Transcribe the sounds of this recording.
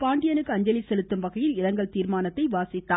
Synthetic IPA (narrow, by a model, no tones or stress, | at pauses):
paːɳɖɪjɐnɯkːɯɐɲd͡ʒɐlisɛlɯt̪ːɯmʋɐɣɐjɪlɪɾɐŋɡɐɭt̪iːɾmaːnɐt̪ːɐɪʋaːsɪt̪ːaː